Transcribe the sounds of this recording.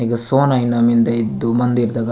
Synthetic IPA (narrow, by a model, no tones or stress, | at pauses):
iɡɐsoːnajinamind̪ɐid̪umɐnd̪iɾd̪aɡɐ